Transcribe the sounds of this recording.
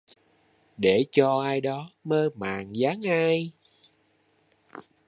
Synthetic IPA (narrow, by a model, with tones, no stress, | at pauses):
ɗe˧˩t͡ɕɔ˧ʔaː˧jɗɔ˨˦məː˧maː˨˩ŋzaː˨˦ŋʔaː˧j